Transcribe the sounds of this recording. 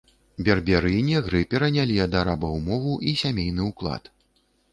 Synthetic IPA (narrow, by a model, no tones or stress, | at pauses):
bʲɛrbʲɛɾɨjnʲiɣɾɨpʲɛɾɐnʲalʲiɐd̪aɾabɐwmɔvuʔisʲamʲejnɨuklˠa̰t̪